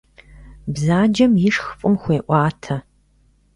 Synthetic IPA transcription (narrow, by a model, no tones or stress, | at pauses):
bzaːd͡ʒɐmjɪʂxfʼɨmxʷeːʔʷɑːtʰɐ